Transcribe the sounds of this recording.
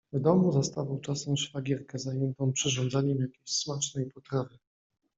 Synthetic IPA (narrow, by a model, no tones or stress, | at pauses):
vd̪ɔmuzast̪avawt͡ʂasɛmʂfaɡʲɛɾkɛzajɛnt̪ɔ̃w̃pʂɛʐɔnd̪zaɲɛmjakʲeɕsmat͡ʂnɛjpɔt̪ɾavɘ